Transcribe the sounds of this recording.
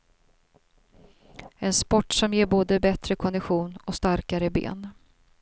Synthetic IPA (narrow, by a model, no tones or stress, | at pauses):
ɛnspɔʈːsɔmjeːɾboːd̪əbɛt̪ɾəkʰɔnd̪ɪɧuːnɔst̪aɾkaɾəbḛːn